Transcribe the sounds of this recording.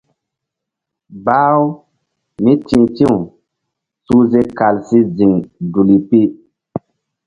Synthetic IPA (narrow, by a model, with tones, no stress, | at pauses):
baː˦w | mi˦tĩ˦ŋtĩ˦u˨ | su˦ze˦ka˨lsi˦d͡zi˨ŋdu˨li˨pi˦